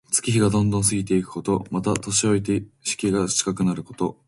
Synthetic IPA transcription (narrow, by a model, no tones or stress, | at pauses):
t͡sɨ̥kʲiçiɡad̪õ̞nd̪õɰ̃s̬ɨɡʲit̪e̞ikɯ̟̥ko̞t̪o̞mat̪at̪o̞ɕio̞it̪eɕi̥kʲiɡat͡ɕi̥kakɯ̟naɾɯ̟ko̞̥t̪o̞